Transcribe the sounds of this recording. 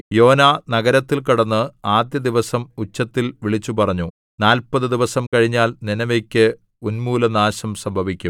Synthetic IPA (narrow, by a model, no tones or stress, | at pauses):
jo̞ːnaːnɐɡɐɾɐt̪ːilkiɽɐnːɨaːd̪jɐd̪iʋɐsɐmut͡ɕːɐt̪ːilʋiɭit͡ɕːupɐrɐɲːu | naːlpɐðɨd̪iʋɐsɐmkɐɻiɲːaːlninɐʋekʲːɨ | unmuːlɐnaːɕɐmsɐmbʱɐʋikʲːum